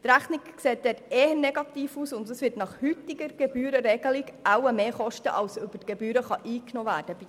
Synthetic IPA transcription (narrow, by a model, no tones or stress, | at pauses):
t̪ɾæχnɪkkseːt̚d̥̪ɛːteːhənɛɡɑt̪iːfuːsʊnd̪əsʋɪtnɑχhyt̪ɪɡəɾɡ̥ɛb̥yːɾəɾɛɡəliɡawəmeːχɔʃtə̰ʔɑlsøb̥ətɡ̥ɛbyːɾəχɑʔiːknoːvæːɾd̥əb